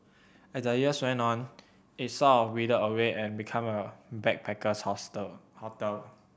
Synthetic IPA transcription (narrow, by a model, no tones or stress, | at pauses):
ɛsəjiəswɛ̃nɔ̃n | it̚sɔɹidəəweʔɛ̃nbikʰãməbɛk̚pʰɛkəshɔshɔtəl